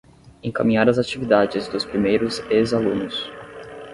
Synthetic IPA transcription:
ẽkamĩɲaɾɐzat͡ʃivid̪ad͡ʒɪzd̪ʊspɾimejɾʊzezalũnʊs

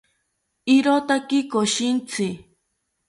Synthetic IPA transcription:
ɪɾot̪akɪkoʃɪnt͡sʰɪ

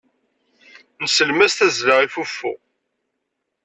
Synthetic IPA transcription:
nəsəlmæst̪æzləʁifufːʊ̰

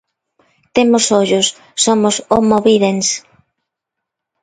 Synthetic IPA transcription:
t̪emʊsoʎʊsː | omʊsomoβiðens

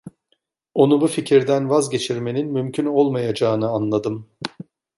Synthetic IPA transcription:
o̞nubuficʰiɾd̪ænvazɟe̞t͡ʃʰiɾme̞ninmymcʰyno̞lˠmajad͡ʒaːɯnɯanlˠad̪ɯm

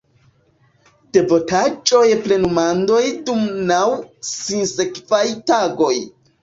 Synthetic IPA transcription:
d̥e̞vo̞tat͡ʃʼo̞jple̞numando̞jdumnawsinsekvajtaɡo̞j

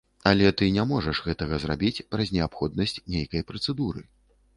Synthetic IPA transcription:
ɐlʲɛt̪ɨnʲamɔʐɐʂɣɛt̪ɐɣɐzrabʲit͡sʲpɾɐzʲnʲɛapxɔd̪nɐsʲt͡sʲnʲejkɐjpɾɐt̪sɛd̪uɾɨ̰

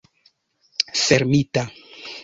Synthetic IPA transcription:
feɾmita

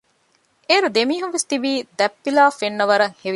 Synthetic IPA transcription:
ʔeːɾud̪emiːɦunʋest̪ibiːd̪ɛpːilaːfenːɐʋɐɾɐŋheʋi

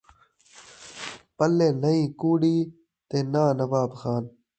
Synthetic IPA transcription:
pɐlːeːnɐĩːkuːɽiː | t̪eːnaːnɐʋaːbxaːn

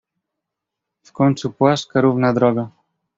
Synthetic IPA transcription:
fkonsupwaskaɾuvnaðɾɔɣa

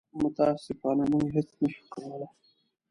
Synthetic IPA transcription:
mʊt̪ɑsɪfɑnamuɦesnəʃu̥kawəla

